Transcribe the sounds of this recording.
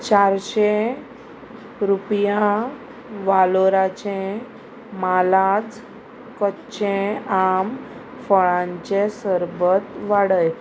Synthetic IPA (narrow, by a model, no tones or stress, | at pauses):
t͡ɕaɾɕe | ɾupja | ʋaloɾat͡ɕẽ | malad͡z | kətːɕẽam | fəɭãɲt͡ɕesəɾbət̪ʋaɽəj